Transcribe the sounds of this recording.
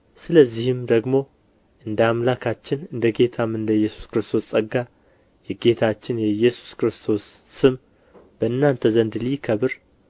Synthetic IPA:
sɨləzːihɪmd̪əɡmo̞ | ʔɨnd̪amlakʰat͡ʃːɪnɨnd̪əɡe̞t̪ʰamɨnd̪əjːɛsu̥skɨɾɨst̪ʰo̞ssʼəɡːa | jɛɡe̞t̪ʰat͡ʃːɪnjɛjɛsu̥skɨɾɨst̪ʰo̞sː | ɨm | b̥əɨnːant̪ʰəzənd̪likʰəβɨɾ

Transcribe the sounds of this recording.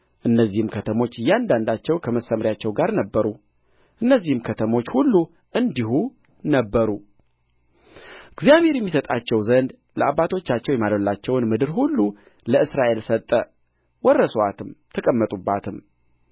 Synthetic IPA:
ʔɨnːəzːihɨmkʰət̪ʰəmo̞t͡ʃːjːand̪and̪at͡ʃːɛwkʰəməsəmɾjat͡ʃːɛwɡaɾnəbːəɾu | ʔɨnːəzːihɨmkʰət̪ʰəmo̞t͡ʃːhulːu | ʔɨnd̪ihu | nəbːəɾu | ɡzijaβhe̞ɾjɛmːisət̪ʼat͡ʃːɛwzənd̪ | ləabːat̪ʰo̞t͡ʃːat͡ʃːɛwjɛmalolːat͡ʃːɛwnmɨd̪ɨɾhulːu | ləɨsɾaʔe̞lsət̪ʼːə | wɔrːəsoat̪ʰɨmt̪ʰəkʼəmːət̪ʼubːat̪ʰɨm

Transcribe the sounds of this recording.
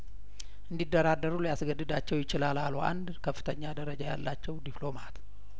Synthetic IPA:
ʔɨnd̪id̪ːəɾad̪ːəɾuljasɡəd̪ːɨd̪at͡ʃːɛwjɪt͡ʃɪlalaluʔa̰nd̪kʰəfːɨt̪ʰəɲːad̪əɾəd͡ʒaja̰lːat͡ʃːɛwd̪iplo̞mat̪

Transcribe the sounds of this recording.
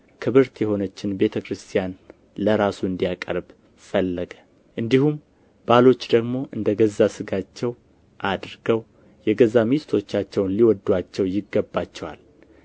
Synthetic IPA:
kʰɨβɨɾt̪jɛho̞nət͡ʃːɪnbe̞t̪ʰəkʰɾɨst̪ʰijan | ləɾasuɨnd̪ijakʼə̰ɾb | fəlːəɡə | ʔɨnd̪ihum | balo̞t͡ʃːd̪əɡmo̞ʔɨnd̪əɡəzːasɨɡat͡ʃːɛw | ʔad̪ɾɨɡəw | jɛɡəzːamist̪ʰo̞t͡ʃːat͡ʃːɛwnliwɔd̪ːwat͡ʃːɛwjɪɡːəbːat͡ʃːɛwa̰l

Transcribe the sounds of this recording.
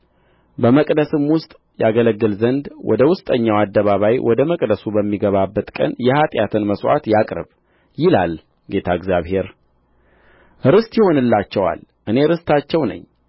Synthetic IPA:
bəməkʼd̪əsɨmwʊst̪ʼ | jaɡələɡːɨlzənd̪wʔɔ̰d̪əwʊst̪ʼəɲːawad̪ːəβaβajwʔɔd̪əməkʼd̪əsubəmːiɡəβabːət̪kʼə̰njɛhat̪ʼjat̪ʰɨnməswʷa̰t̪jakʼɾɨ̰β | jɪlal | ɡe̞t̪ʰaɪɡzjaβhe̞ɾ | ɨɾɨst̪jɪho̞nɨlːat͡ʃːɛwa̰l | ʔɨne̞ɾɨst̪ʰat͡ʃːɛwnə̰ɲː

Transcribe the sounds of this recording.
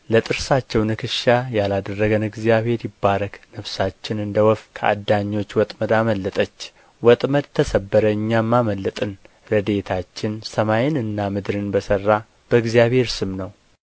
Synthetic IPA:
lət̪ʼɨɾsat͡ʃːɛwnɨkʰɨʃajalad̪ərːəɡənɨɡzjaβhe̞ɾjɪbːaɾəknəβsat͡ʃːɪnɨnd̪əwɔfkʰəʔa̰d̪aɲːo̞t͡ʃːwɔt̪ʼməd̪aməlːət̪ʼət͡ʃː | wɔt̪ʼməd̪̚t̪ʰəsəbːəɾəɨɲːamːaməlːət̪ʼɨn | ɾəd̪e̞t̪ʰat͡ʃːɪnsəmajɪnɨnːamɨd̪ɾɨnbəsərːa | b̥əɨɡzijaβhe̞ɾsɨmnəw

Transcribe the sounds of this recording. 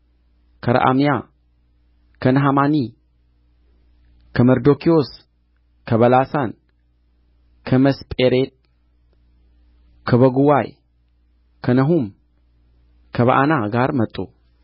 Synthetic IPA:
kʰəɾɐ̰ʔa̰mija | kʰənɐɦamani | kʰəmɐɾd̪okʰios | kʰəβɐlasan | kʰəməspʼeɾet̪̚ | kʰəβəɡuwaj | kʰənəɦum | kʰəβɐ̰ʔanaɡaɾmɐt̪ʼːṵ

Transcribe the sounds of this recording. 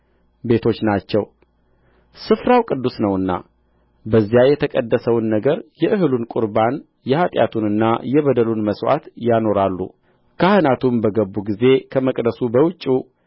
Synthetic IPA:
be̞t̪ʰo̞t͡ʃːnat͡ʃːɛw | sɨfɾawkʼɨd̪ːusnəwɨnːa̰ | bəzːijajɛt̪ʰəkʼəd̪ːəsəwnːəɡəɾjɛʔɨɦɨlunkʼuɾban | jɛhat̪ʼja̰t̪ʰunɨnːajɛβəd̪əlunməswa̰t̪jano̞ɾalːṵ | kʰahɨnat̪ʰumbəɡəbːuɡize̞kʰəməkʼd̪əsubəwʊt͡ʃʼːu

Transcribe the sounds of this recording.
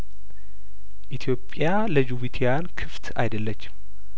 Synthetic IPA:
ʔit̪ʰijo̞pʼːja | ləd͡ʒuβit̪ʰejankʰɨft̪a̰jd̪əlːət͡ʃː

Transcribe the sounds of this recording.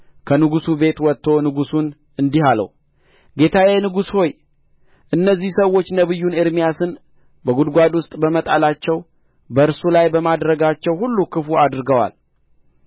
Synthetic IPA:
kʰənɨɡusube̞t̪wɔt̪ʰːo̞nɨɡusun | ɨnd̪ihalə̰w | ɡe̞t̪ʰajajnɨɡusho̞j | ʔɨnːəzːihsəwːo̞t͡ʃːnəβɨjːunɪɾmijasɨn | bəɡud̪ɡʷad̪wʊst̪ʼbəmət̪ʼalat͡ʃːɛw | bəɨɾsulajbəmad̪ɾəɡat͡ʃːɛwhulːukʰɨfuad̪ɾɨɡəwa̰l

